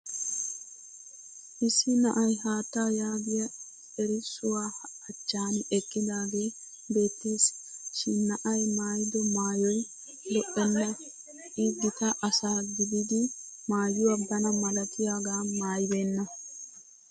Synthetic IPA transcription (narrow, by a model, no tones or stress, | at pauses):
ʔɪsːɪnɐʔɐjɦaːt̪ːaːjaːb̪ɪjɐ | ɛɾɪsʊwaːɐt͡ʃːaːnɪʔɛkʼːɪd̪aːɡeː | be̞ːt̪ːiːsʃɪnɐʔɐjmaːjd̪ɔmaːjɔj | lɔʔːɛnːɐ | ʔiːb̪ːɪt̪ɐʔɐsaːɡɪd̪ɪd̪ɪ | maːjːʊwɐbɐnɐmɐlɐt̪ɪjaːɡaːmaːjbeːnːɐ